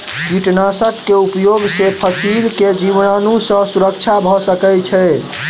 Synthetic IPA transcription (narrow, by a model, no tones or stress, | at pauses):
d͡ʒiʈnasəkːeupjoɡsepʰəsilked͡ʒiʋnanusə̃suɾəkt͡ʃʰabʱɔsəkɛt͡ʃʰɛ